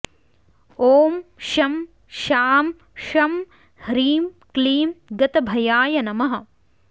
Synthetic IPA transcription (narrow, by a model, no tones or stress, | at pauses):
oːmʃɐm | ʃaːm | ʃɐm | hɾiːmkliːmɡɐt̪ɐbʱɐjaːjɐnɐmɐɦɐ̆